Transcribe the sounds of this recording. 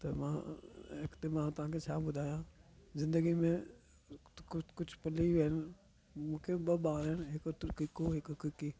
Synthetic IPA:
t̪ɐmã̰ːɪkt̪emãːt̪ʊʋ̤ãːkʰet͡ʃʰaːbʊd̪ʱaːjãːzɪ̃nd̪əɡimẽ | kkʊt͡ʃʰpɐliʋen | mũːkʰebɐbaːɾɦɛnɦɪkt̪ʊɾkikoɦɪkkɪki

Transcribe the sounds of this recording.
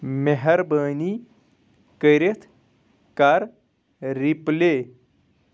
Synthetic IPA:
meɦɐɾbəːni | kəɾet̪ʰ | kaɾ | ɾiple

